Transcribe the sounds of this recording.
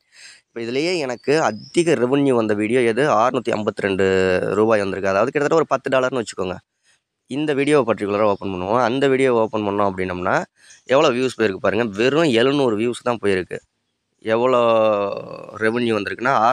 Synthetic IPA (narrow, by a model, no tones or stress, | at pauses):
ɪpːoːɪðɯlɐjeːɛnɐkːɯɐd̪ɪɣɐɾɛʋɯnjuʋɐnd̪ɐʋiːɽɪjoːɛðɯaːɾɯnuːt̪ːiɐ̰mbɐt̪ːɯɾɛɳɖɯɾuːbaːjʋɐnd̪ɯɾɯkːɯɐðaːʋɐðɯkɪɽɐt̪ːɐʈːɐɔɾɯpɐt̪ːɯɖaːɭɐɾnɯʋɐt͡ʃːɯ̥kːoːŋɡɐ | ɪnd̪ɐʋiːɽɪjoːpɐʈːɾɪkːɯɭɐɾaoːpːɐnpɐɳːɯʋõɐnd̪ɐʋiːɽɪjoːoːpːɐnpɐɳːʊ̃ɐp̬ːɐɽɪnːɯmnːaː | ɛʋːɐɭoːʋjuːspoːjɪɾɯkːɯpaːɾɯŋɡɐʋɪɾʊ̃ɛɻɯnuːɾɯʋjuːst̪ãːpoːjɪɾɯkːɯ̰ | ɛʋːɐɭoː | ɾɛʋɯnjuʋɐnd̪ɯɾɯkːɯnːaːaː